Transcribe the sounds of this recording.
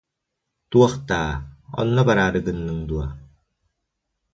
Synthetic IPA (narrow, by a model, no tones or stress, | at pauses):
t̪uaqt̪aːɔ̰nːəbaɾaɾɯɡɯnːɯŋd̪ua̰